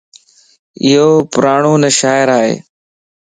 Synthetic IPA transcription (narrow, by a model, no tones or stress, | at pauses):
ɪɦoːpʊɾaːɳoːnəʃaːɪɾaːɦḛː